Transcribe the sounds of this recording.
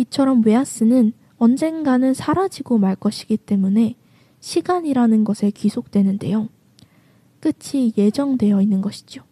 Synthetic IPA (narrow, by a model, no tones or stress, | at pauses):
it͡ɕʰʌɾʌmwe̞as͈ɯnɯn | ʌnd͡ʑe̞ŋɡanɯnsʰaɾad͡ʑiɡomaɭk͈ʌɕʰi̥ɡit͈e̞mune̞ | ɕʰiɡaɲiɾanɯnɡʌsʰe̞kisʰok̚t͈we̞nɯnde̞̰jo | k͈ɯt͡ɕʰije̞d͡ʑʌŋdwe̞jʌinːɯnɡʌɕʰi̥d͡ʑo